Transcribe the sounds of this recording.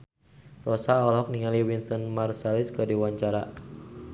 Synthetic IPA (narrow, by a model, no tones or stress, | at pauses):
rɔsaɔlɦɔk̚niŋaliwinst̪ɔnmarsɛliskədiwaɲt͡ʃaɾa